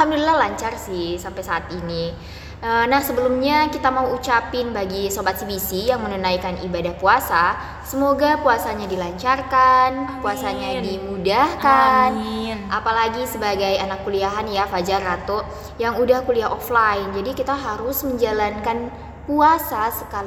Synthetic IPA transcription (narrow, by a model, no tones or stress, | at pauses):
hamdulilahlaɲt͡ʃarsɪhsampajsaːt̪ini | ənahsəbəlumɲakit̪amauːt͡ʃapɪnbaɡisobat̪̚sibisijaŋmənunajkanḭbadahpuasa | səmoɡapuasaɲadilaɲt͡ʃarkanpuasaɲadimudahkanʔapalaɡisəbaɡajanakːuliaɦanjafad͡ʒarat̪o | jaŋudahkuliaɦoflaɪnd͡ʒadikit̪aɦaɾʊsməɲd͡ʒalankan | puasasəkali